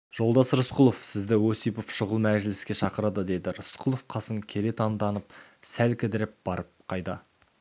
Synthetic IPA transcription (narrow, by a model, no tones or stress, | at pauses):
ʒ̥o̞lˠd̪ɑsəɾʊsqʊlˠo̞fsɪzd̪ɪwosijpofʃʊʁəlˠmæʒɪlɪskʲe̞ʃɑqəɾɑd̪əd̪e̞d̪ɪɾʊsqʰulˠofqʰɑsəŋkʲʰe̞le̞t̪ʰɑnd̪ɑnəp̚sælkʲʰɪd̪ɪɾɪp̚b̥ɑɾəp̚qʰɑjd̪ɑ